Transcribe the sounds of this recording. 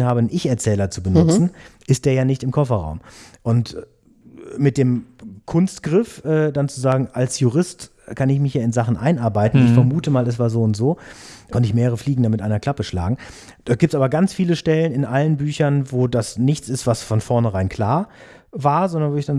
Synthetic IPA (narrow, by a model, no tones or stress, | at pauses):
nhaːbəənʔɪçɛɐt͡sɛːlɐt͡subənʊt͡sn̩ʔɪst̚d̥eːɐjaːnɪçtɪmkʰɔfɐʁa̰ʊmʔʊnt | mɪt̚d̥eːmkʰʊnstɡ̥ʁɪfʔɛːdant͡suzaːɡŋ̩ʔalsjuʁɪst | kʰanɪçmɪçjaːɪnzaχn̩ʔaɪnʔaɐbaɪtn̩ɪçfɛɐmuːtəmaːlɛs̬v̥aːɐzoːʊntz̥oːkʰɔntəɪçmeːʁəʁəfliːɡŋ̩damɪtʔaɪnɐkl̥apəʃla̰ːɡŋ̩ | d̥aːt̚ɡiːp̚tsʔaːbɐɡant͡sfiːləʃtɛlənɪnʔalənbyːçɐnvoːdasnɪçt͡sɪstv̥asfɔnfɔɐnəʁaɪnkʰl̥aːɐ | vaːɐzɔndɐnvoːɪçd̥an